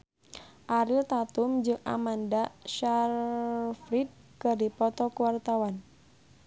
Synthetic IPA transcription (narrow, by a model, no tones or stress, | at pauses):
ʔaɾilt̪at̪umd͡ʒɨŋa̰mandaʃarfɾid̪̚kɨrdipɔt̪ɔkuwart̪awan